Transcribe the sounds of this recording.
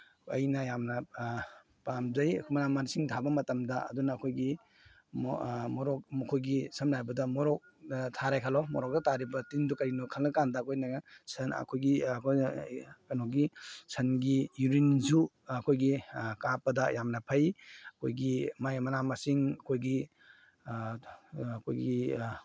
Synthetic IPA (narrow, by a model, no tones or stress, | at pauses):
ɐ̰jnɐjamnɐ | pamzɐjkʰmɐnamansiŋtʰabɐmɐtɐmdɐɐ̰dunɐːkʰojɡi | mmɔɾɔk̚mɐkʰojɡisɐmɾajbɐdɐmɔɾɔk̚tʰaɾajkʰalɔmɔɾɔk̚dɐtʰaɾibɐtindukɐɾinukʰalnɐkandɐːkʰojnɐɡsɐnɐ̰kʰojɡikʰ | kɐnoɡisʰɐnɡijuɾinzu | ɐkʰojɡikapɐdɐjamnɐpʰɐjɐkʰojɡimajmɐnamasiŋɐkʰojɡi | ɐkʰojɡi